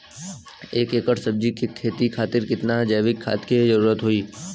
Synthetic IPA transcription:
eːkeːkəʈsəb̚d͡ʒikʰikʰːeːt̪ikʰaːt̪ɪɾkɪt̪nad͡ʒəːʋɪkʰːa̰ːt̪kid͡ʒəɾuːɾət̪ɦoiː

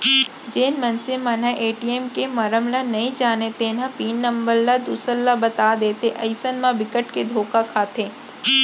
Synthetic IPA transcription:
d͡ʒeːnmɐnsemɐ̃naʔeːʈieːmkemɐɾəmlanɐĩd͡ʒaːnet̪ẽːnãpiːnːə̃mbəɾlad̪uːsəɾlabɐt̪aːd̪eːt̪ʰeʔɐɪsənmãbɪkəʈked̪ʱoːkakʰaːt̪ʰeː

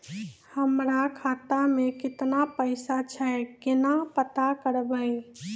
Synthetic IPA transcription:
həmɾakʰat̪amekɪt̪napəɪsat͡ʃʰɛkɪnapət̪akəɾbəj

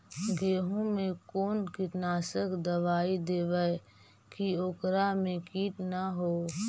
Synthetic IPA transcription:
ɡeːɦõmẽkoːnkɪt̪naːsəkʰd̪əʋaːid̪eːʋə | kioːkɾamẽkiːʈnaɦoː

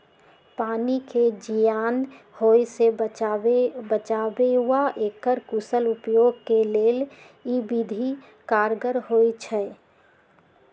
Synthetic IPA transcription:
paːniked͡ʒijaːn | hoːjseebət͡ʃaːbeɦuaʔeːkːəɾkusəlʊpjoːɡ̚keleːl | ibid̪ʱi | kaːɾɡəɾhoːjt͡ʃʰɛ

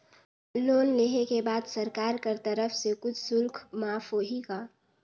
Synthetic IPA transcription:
loːnleːɦekebaːd̪sɐɾkaːɾkɐɾt̪əɾəfsekʊt͡ʃʰsʊlkʰmaːfɦoːɦikaː

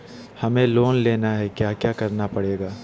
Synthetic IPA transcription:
hɐmẽloːnleːnaɦɛkjaːkjaːkɐɾnapɐɽeːɡaː

